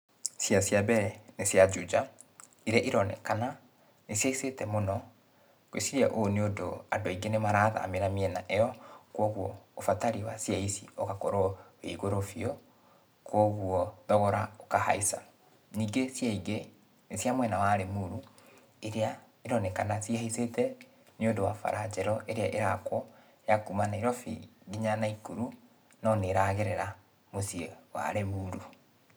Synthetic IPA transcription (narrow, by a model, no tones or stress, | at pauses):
sjasjabɛɛnesjad͡ʒud͡ʒa | iɾeaʔiɾɔnɛ̰kana | nesjaisetɛmonɔ | kwḛsiɾiaʔoneodoa̰doiɡenemaɾaða̰ːmeɾamiɛnaʔeɔkwɔɣwɔːfataɾiwasjaisioɣakɔɾɔḛɣoɾofiɔ | kwɔɣwɔðɔɣɔɾaokaha̰isa̰ | niːɡesjaiɡe | sjamwɛnawaɾemuɾu | eɾea | eɾɔnɛkanasihaisetɛ | neondowa̰fa̰ɾad͡ʒɛɾɔʔeɾeaʔeɾakwɔ | jakumanaiɾɔfḭɡiɲanaikuɾu | nɔneɾaɣeɾeɾa | mosiewa̰ɾemuːɾu